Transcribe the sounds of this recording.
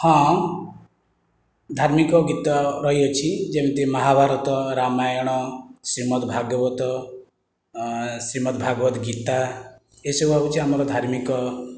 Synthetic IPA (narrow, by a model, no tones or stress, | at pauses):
hɔ̃ | d̪ʱaɾmikɔɡit̪ɔɾɔɦijɔt͡ʃʰid͡ʒemit̪emɔɦabʱaɾɔt̪ɔɾamajɔɽ̃ɔsɾimɔt̪bʱaɡɔbɔt̪ɔ | sɾimɔt̪bʱaɡwɔt̪ɡit̪a | esebaut͡ʃʰiɦamɔɾɔd̪ʱaɾmikɔ